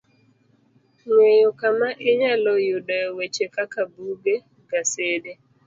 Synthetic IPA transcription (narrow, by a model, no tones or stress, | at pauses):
ŋwejokamaʔɪɲalɔjudɔwet͡ʃekakabuɡe | ɡasede